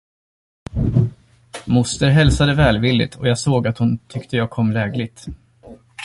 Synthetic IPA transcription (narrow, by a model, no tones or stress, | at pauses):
mʊst̪əɾɦɛlsad̪əvɛːlvɪlːɪ̰t̪ʰɔjɑːɡsoːɡat̪hʊnt̪ʰʏkt̪əjɑːɡ̚kʰɔmːlɛːɡlɪɡ̚t̪